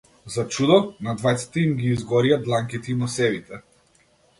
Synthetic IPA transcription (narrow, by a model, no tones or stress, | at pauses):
zat͡ʃud̪ɔnad̪vajt̪si̥t̪ɛimɡʲiːzɡɔɾijad̪lˠaŋkit̪ɛimɔsɛvit̪ɛ